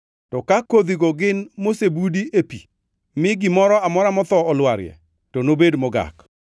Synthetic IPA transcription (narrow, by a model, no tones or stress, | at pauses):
tɔkakod̪iɡɔɡɪnmosebudiʔepi | mɪɡɪmɔɾɔamɔɾamɔt̪ɔɔlwaɾjɛ̰ | tonobedmɔɡa̰k